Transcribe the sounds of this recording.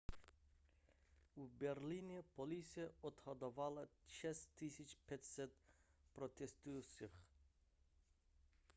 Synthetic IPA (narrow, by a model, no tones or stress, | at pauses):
ubɛɾlʲinʲɛpɔlʲisʲijɛɔt̪hɔd̪ɔvalˠaʃɛst̪ʰːisʲit͡ʃpʲɛtʲsɛt̪pɾɔt̪ʲɛst̪ujusix